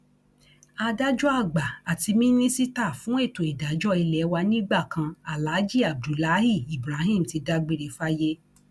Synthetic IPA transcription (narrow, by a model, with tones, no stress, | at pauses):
a˧da˦d͡ʒɔ˦a˦˨ɡ͡ba˨a˨ti˧mĩ˦nĩ˦si˦ta˦˨fũ˨˦e˦˨to˨i˨da˨˦d͡ʒɔ˦i˧lɛ˨˦wa˧nĩ˦ɡ͡ba˦˨kʰã˧a˨la˨˦d͡ʒi˦˨a˨b̚du˨la˦hi˦˨i˨bɾa˨˦ɦĩ˦˨m̩˨ti˨˧da˦ɡ͡be˧ɾe˨˧fa˦je˦